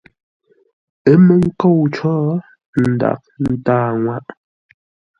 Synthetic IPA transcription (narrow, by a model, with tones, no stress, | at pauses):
ə˦mə˨ŋ̩˦ko˦˨wt͡ʃɔː˦ | n̩˨da̰˨k̚n̩˦taː˦˨ŋwa˦ʔ